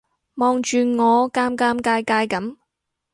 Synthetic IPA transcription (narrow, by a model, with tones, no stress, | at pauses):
mɔː˨˧ŋt͡ʃyː˨ŋɔː˨˧kaː˥mkaː˥mkaː˧jkaː˧jkɐ˨˥m